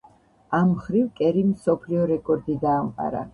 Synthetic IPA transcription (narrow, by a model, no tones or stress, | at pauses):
amχɾivkʼɛɾimsɔpʰliɔɾɛkʼɔɾd̪id̪aːmqʼa̰ɾa̰